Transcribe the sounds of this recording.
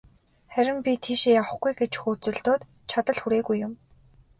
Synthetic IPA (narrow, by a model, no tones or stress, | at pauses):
χæɾʲɪ̆mpʲit̪ʰiːʃeːjaw̆χɡujɡet͡ɕxuːrt͡sɵ̆ɮt̪oːt̪ | t͡ɕʰat̪ə̆ɮxuɾeːɣujːʊm